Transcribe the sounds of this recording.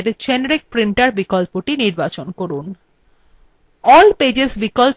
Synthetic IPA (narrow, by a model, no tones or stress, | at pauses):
ɾt͡ɕɛnɾik̚pɾiɳʈaɾbikɔlpoʈiniɾbat͡ɕonkoɾun | ɔlped͡ʑesbikɔl